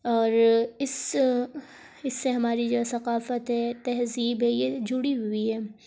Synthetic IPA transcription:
ɔːɾɪs | ɪsːeɦɐmaːɾid͡ʒoːsɐqaːfət̪ɦɛt̪ɛɦziːbɦɛjed͡ʒʊɽiɦʊiɦɛː

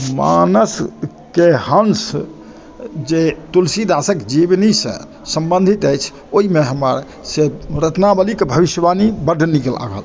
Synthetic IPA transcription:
ma̰nəs | keɦəns | d͡ʒet̪ulsid̪asəkd͡ʒibnisə̰̃ | səmbə̃nd̪ʱit̪əjt͡ʃʰ | oɦimeɦəməɾ | seɾət̪nabəlikebʱəbiʃəbanibəɖʱnikəla̰ɡʱə̰l

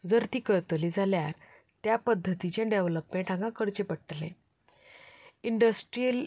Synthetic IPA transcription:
d͡zəɾt̪iːkəɾt̪lid͡zʱaljaɾ | t̪japəd̪ʱːət̪it͡ɕjãɖeʋləpmẽɳʈʰãŋɡãkəɾt͡ɕepəɽʈlḛ̃ | iɳɖəsʈɾijəl

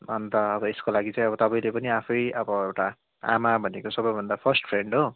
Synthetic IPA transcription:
ɦʌnt̪ʌːbʌeskolaɡit͡saĩʌβʌt̪ʌpʌĩj̃lepʌniapʰʌjʌbʌewʈa | a̰mabʱʌnekosʌbʌjbʱʌnd̪apʰʌrsʈpʰɾeɳɖɦo

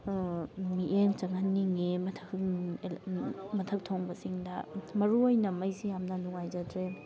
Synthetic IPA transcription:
miʔent͡ʃɐŋɦanːiŋemɐtʰɐk | mɐtʰɐk̚tʰoŋbɐsiŋdɐmɐɾuojnɐmɐjzijamnɐnuŋajzɐdɾe

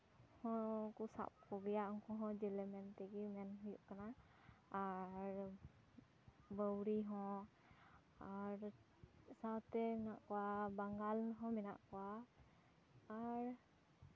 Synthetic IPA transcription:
hɔ̃kusa̰p̚kɔɡɛjaʔɔŋkʰɔɦɔ̃d͡ʒɛlɛmɛnt̪ɛɡimɛnɦujuʔkanaː | ɾ | bəwɾiɦɔ̃ | aɾ | sawt̪ɛmɛnaʔkɔwabaŋɡalɦɔ̃mɛna̰ʔkɔwa | ɾ

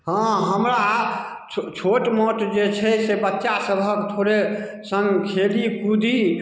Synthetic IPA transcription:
ɦãɦəmɾa | t͡ʃʰoʈmoʈd͡ʒet͡ʃʰɛsebətːʃasəbʱəkt̪ʰoɾe | səŋɡkʰelikud̪ʱi

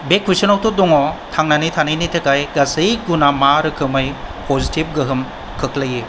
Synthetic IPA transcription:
bekʰːesɯnɔwtɔdɔŋɔtʰaŋnanijtʰanɯjnijtʰɯkajɡasɯjɡunamaɾɯkʰɯmɯjpʰɔzitib̚ɡɯɦɯm | kʰɯklajɯ

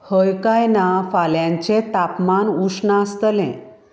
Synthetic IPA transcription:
həjkajnafaljãɲt͡ɕet̪apmanusnaəst̪lḛ̃

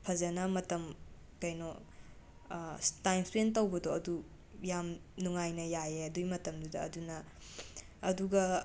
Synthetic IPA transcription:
pʰɐzɐnɐmɐtɐm | kɐjno | tajmspɾentɐwbɐdoɐdu | jamnuŋajnɐjajeɐdujmɐtɐmdudɐ̰ːdunɐː | duɡɐ

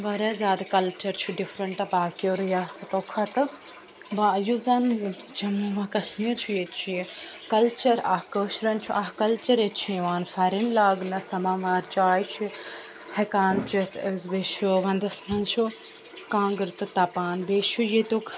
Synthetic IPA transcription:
ʋɐɾezaːd̪kɐlt͡ʃɐɾt͡ʃʰuɖifɾɐɳʈɐpaːkioːɾjaːsɐt̪oːkʰɐt̪ɨ | bajuzɐn | d͡ʒɐmʋɐkɐʃmiːɾt͡ʃʰujet͡ʃʰikɐlt͡ʃɐɾaːkəːʃɾɐnt͡ʃʰuʔaɦkɐlt͡ʃɐɾet͡ʃʰĩʋaːnfɐɾinlaːɡnɐsɐmãːʋaːɾt͡ʃaːjt͡ʃʰi | hekaːnt͡ʃit̪əzʋeʃuʋɐnd̪ɐsmɐnt͡ʃʰu | kãːŋɡɾt̪ɨt̪ɐpaːnbeːʃujet̪okʰ

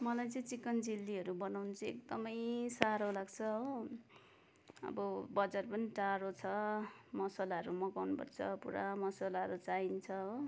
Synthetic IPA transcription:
mʌlajt͡sʌ̃t͡sikːʌnd͡zilːiɦʌɾubʌnawnʌt͡sʰʌḛkd̪ʌmʌjsaɾolaɡt͡sʰʌɦo | ʌ̰bʌbʌd͡zarpʌniʈaɾot͡sʰʌmʌsalaʌɾumʌkawnupʌ̰rt͡sʰʌ̰pṵɾa̰mʌsalaʌɾut͡saint͡sʰʌɦow

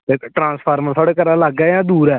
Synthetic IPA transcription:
t̪eːʈɾãːspʰaːɾməɾt̪ʰɔːɽeːkəɾãːlaɡɛːjãːd̪uːɾɛː

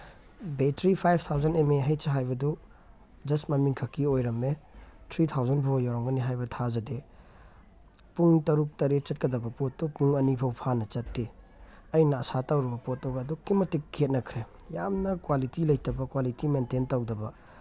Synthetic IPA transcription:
betʰɾipʰajb̚ʰt̪ʰawzɐnemeɦɐjseɦajbɐdɔ | d͡ʒɐstmɐmiŋkʰɐkiojɾɐmetʰɾit̪ʰawzɐnpʰawjaɾaŋɡɐniɦajbɐtʰazɐde | puŋtɐɾuk̚tɐɾet̚t͡ʃɐt̚kɐdɐbɐpotːupuŋɐnipʰɐwpʰanɐt͡ʃɐtːe | ɐjnɐːsatawɾɐbɐpot̚ːawɡaɐdukimɐtikʰːet̚nɐkʰɾe | jamnɐkwalitilɐjtɐbɐkwalitimententɐwdɐbɐ

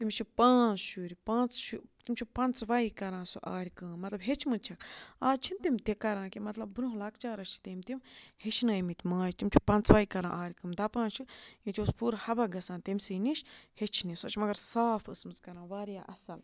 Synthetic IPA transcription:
t̪imt͡ʃʰipãːt͡sʃuːɾipãːnt͡sʃut̪imʲt͡ʃʰupɐnt͡sʋɐikɐɾãːsuʔa̰ːɾʲikɨːmɐt̪lɐbɦet͡ʃʰmɨt͡ʃʰɐkaːt͡ʃʰint̪imt̪ekɐɾãːkimɐt̪lɐb̚bɾũɦlɐkt͡ʃaːɾɐʃʰi̥t̪emt̪imhet͡ʃʰnɐːimit̪ʲmãːjt̪imʲt͡ʃʰu̥pɐnt͡sʋɐikɐɾã̰ːʔaːɾʲkɨmd̪ɐpãːnt͡ʃʰɨjit̪ʲoːspuːɾhɐbaɡɐsãːnt̪emʲsɨniʃhet͡ʃʰnisɐt͡ʃʰmɐɡɐɾsaːfɨsmɨzkɐɾãːʋaːɾjaːʔɐsɐl

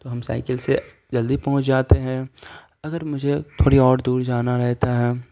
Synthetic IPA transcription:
t̪oːɦɐmsa̰ːɪkəlse | d͡ʒɐld̪ipɐɦʊ̃t͡ʃd͡ʒaːt̪eɦɛ̃ː | ɐɡəɾmʊd͡ʒʱet̪ʰoːɽiɔːɾd̪uːɾd͡ʒaːnaɾɛɦt̪aɦɛː

